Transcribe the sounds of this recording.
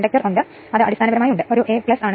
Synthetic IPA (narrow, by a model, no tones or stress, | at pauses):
ɳɖɐk̚ʈːɐruɳɖɨ | ɐðɨɐ̰ɽist̪aːnɐʋɐɾɐmaːjuɳɖɨʔo̞ɾuʔeːpɭɐsaːɳɨ